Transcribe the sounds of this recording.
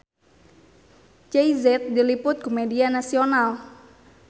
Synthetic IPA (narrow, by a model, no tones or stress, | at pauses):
t͡ʃeizɛt̪̚dilipʊt̪̚kumedianasional